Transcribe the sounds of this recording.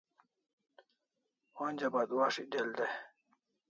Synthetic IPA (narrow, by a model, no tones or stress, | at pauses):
ond͡ʑabad̪waːʂideld̪e